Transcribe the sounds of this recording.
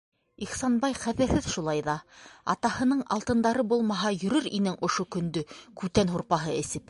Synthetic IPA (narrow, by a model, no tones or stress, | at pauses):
iχsɑnbɑjχæðɘ̆ɾhɘðʃulˠɑjðɑɑ̰t̪ɑhɤ̆nɤɴɑ̰lˠt̪ɤ̆nd̪ɑɾɤbulˠmɑɦɑjɵ̆ɾɵɾinɘŋʔŏʃokɵ̆nd̪ɵkʉt̪ænɦuɾpɑɦɤɘ̆sɘp